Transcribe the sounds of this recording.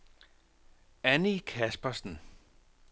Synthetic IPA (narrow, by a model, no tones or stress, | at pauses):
ænikʰæsb̥ɐsn̩